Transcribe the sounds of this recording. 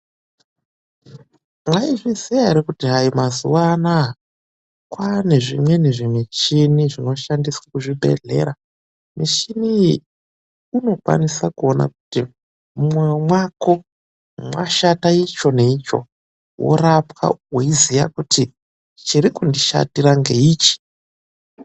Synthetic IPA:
mwaiʐizijaiɾikutiɦajimazuwana | kwane̞ʐimwe̞neʐimit͡ʃiniʐino̞ʃandiswakuʐiɓʱe̞̰ɮe̞̰ɾa | miʃini | uno̞kwa̰nisakuo̞na̰kuti | mumwemwako̞ | mwa̰ʃatait͡ʃo̞ne̞it͡ʃo̞̰ | wʔo̞̰rapwa̰woizija̰kutʰi | t͡ʃiɾikundiʃa̰tiɾaŋɡe̞iːt͡ʃi̥

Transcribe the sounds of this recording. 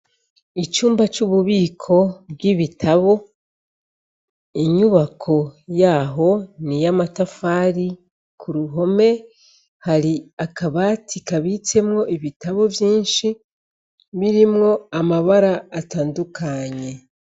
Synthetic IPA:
it͡ʃuːmbat͡ʃuβuβiːkʰo̞bɡiβitʰaβo̞ | iɲuβakʰo̞jaːɦo̞nijamatafaɾi | kʰuɾuɦo̞me̞ | haɾiakaβatʰikaβit͡se̞mŋo̞ʔiβitaβo̞vjiːnʃi | βiɾimŋo̞amaβaɾaːtaːndukʰaɲe̞

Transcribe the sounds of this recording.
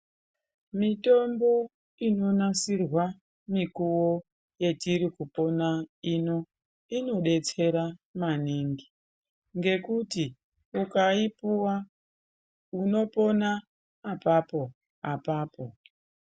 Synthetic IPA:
mito̞mbo̞ | ino̞nasirwa | mikuwo | je̞tiɾikupo̞naino̞ | ino̞ɗe̞t͡se̞ɾamaniŋɡi | ŋɡe̞kuti | ukaipuwa | uno̞po̞naː | papo̞ | apaːpo̞

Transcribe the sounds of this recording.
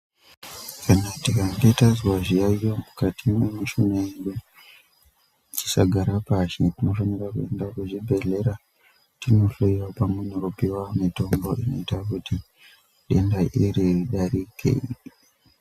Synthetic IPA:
kanatikadetazwaʐijaijomukatʰimwemiʃumeeɗu | it͡ʃi̥saɡʱaɾapaʃetino̞fanirakue̞ndakuʐibʱe̞ɮe̞ɾa | tino̞toiwapamwenekupiwamito̞mbo̞ʔino̞itakuti | ɗe̞ndaʔiɾiɗaɾikʰḛi

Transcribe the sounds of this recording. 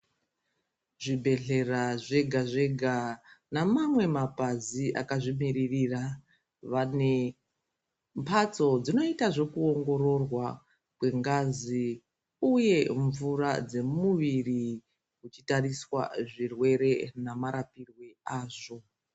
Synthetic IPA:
ʐibʱe̞ɮe̞raʐe̞ɡʱaʐe̞ɡʱanamamwe̞mapaziʔa̰kaʐimiririra | ʋane̞ | mpʰat͡so̞d͡zino̞itaʐo̞kuo̞ŋɡo̞ɾo̞rwa | kwe̞ŋɡazi | uje̞ɱvura̰d͡ze̞muʋiri | kut͡ʃitariswa̰ʐirwe̞ɾe̞namaɾapirweaːʐo̞

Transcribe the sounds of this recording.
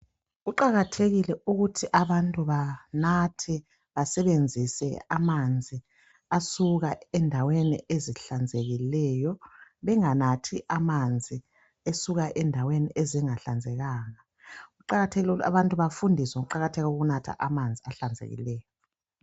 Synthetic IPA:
ɣuǃaɣatʰeɣilɛuɣutʰiʔaβantʼuβanatʰɛ | βasɛβend͡zʱisɛ̰amand͡zʱi | asuɣaɛndʱawenḭeziɬand͡zʱeɣilɛjɔβɛŋanatʰiʔamand͡zʱi | esuɣaʔɛndʱaweniʔeziŋaɬand͡zʱɛɣaːŋa | ɣuǃaɣatʰeɣila̰βantʼuβafundʱisɛɣuǃaɣatʰɛɣauɣunatʰa̰ʔamand͡zʱiaɬand͡zʱḛɣḭlɛːjɔ

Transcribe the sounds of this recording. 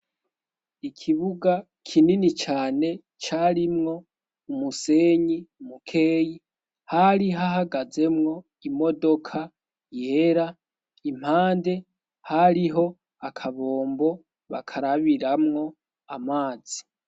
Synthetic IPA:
ikʰiβuɡa | kʰininit͡ʃaːne̞ | t͡ʃaɾimŋo̞ | umuse̞ːɲiumukʰe̞ːji | haɾiɦaɦaɡaze̞mŋo̞ | imo̞do̞kʰa | je̞ɾa | im̥haːnde̞ | haɾiɦo̞ | akʰaβo̞ːmbo̞ | βa̰kʰaɾaβiɾamŋo̞ | amaːz̥i

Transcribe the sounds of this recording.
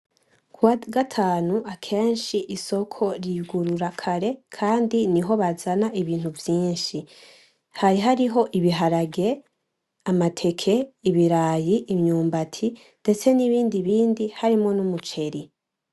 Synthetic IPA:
ɡwaɡatʰaːnuakʰe̞ːnʃiʔiso̞kʰo̞ɾiɡuɾuɾakʰaɾe̞kʰaːndiniɦo̞βazanaʔiβiːn̥huvjiːnʃi | hajiɦaɾiɦo̞ʔiβiɦaɾaɡe̞ | amatʰe̞kʰe̞iβiɾaːjiʔimɲuːmbatʰi | nde̞t͡se̞niβiːndiβiːndihaɾimŋo̞numut͡ʃe̞ɾi

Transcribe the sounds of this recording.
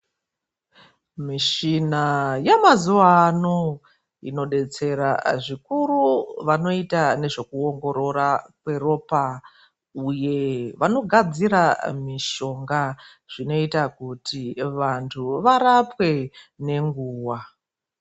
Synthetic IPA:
miʃinajamazuʋano | ḭno̞ɗe̞t͡se̞ɾaʐikuruʋano̞itane̞ʐo̞kuoŋɡo̞ɾo̞ɾakwe̞ro̞pa | uje̞ʋano̞ɡʱad͡ziɾamiʃo̞ŋɡa | ʐ̥ino̞itakutiʋantʰuʋaɾapwe̞ne̞ŋɡuːwa

